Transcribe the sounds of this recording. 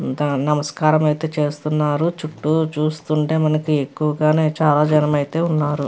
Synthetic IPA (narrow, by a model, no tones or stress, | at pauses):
d̪ɐnɐmɐskaːɾɐmɐjit̪e̞ːt͡ʃe̞ːst̪unːaːɾut͡ʃuʈːut͡ʃuːst̪uɳʈe̞ːmɐnɐkie̞kːuʋɐɡaːne̞ːt͡ʃaːlaːd͡ʒɐnɐmɐjit̪e̞ːunːaːɾu